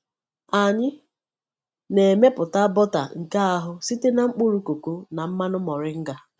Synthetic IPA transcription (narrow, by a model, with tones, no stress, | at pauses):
a˨ɲɪ˦ | ne˨e˨me˦pʊ˨ta˦bɔ˦ta̰˨ŋ̩˨ka˦a˦ɦʊ˦si˦te˦na˨ŋ͡m̩˦k͡pu˦ɾu˨˦ko˨ko˦na˨m̩˦ma˦nʊ˦mɔ˨ɾɪ˦ŋ̩˦ɡa˦